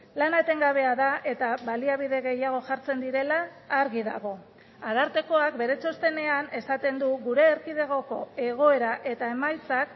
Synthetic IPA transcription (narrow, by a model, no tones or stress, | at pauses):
lanat̪e̞ŋɡaβ̞e̞aðaʔe̞t̪aβaliaβ̞iðe̞ɣe̞jaɣ̞o̞ʝaɾt͡se̞nd̪iɾe̞laː | ɾɣiða̰ɣ̞o̞ | aðaɾt̪e̞ko̞ak̚be̞ɾe̞t͡ʃo̞st̪e̞ne̞ane̞sat̪e̞nd̪uɣuɾe̞ːɾkið̞eɣ̞o̞ko̞e̞ɣ̞o̞e̞ɾaʔe̞t̪ae̞majt͡sak